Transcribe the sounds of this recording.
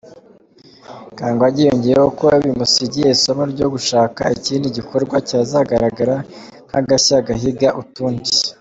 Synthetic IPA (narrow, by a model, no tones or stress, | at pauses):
kaːŋɡoaɟijo̞ɲɟe̞jehokoaβimusiɾɟiesomoɾɟo̞ɡuʃaːka̰iciːndiɟiko̞ɾɡwaciazaɡaɾaɡaɾaŋhaɡaçaɡaɦiɡaʔutuːɲɟi̥